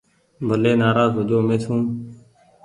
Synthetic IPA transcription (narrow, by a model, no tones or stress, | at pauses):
bʱəleːnaːɾaːzɦʊd̪oːmẽːt̪ʰũː